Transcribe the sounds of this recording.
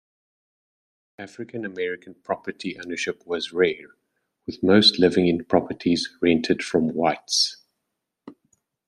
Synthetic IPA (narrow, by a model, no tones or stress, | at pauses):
æfɹɪkʰə̃nəmɛɹɪkʰə̃npʰɹ̥ɒpətʰiʔo̰ʊnəʃɪpʰwɒzɹɛːɹ | wɪðməʊstʰlɪvɪ̃ŋɪ̃npʰɹ̥ɒpʰətʰizɹɛ̃ntʰəd̥fɹə̃mwaɪts